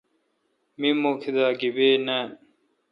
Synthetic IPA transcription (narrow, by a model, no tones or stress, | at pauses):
mimokʰid̪aːɡibeːnã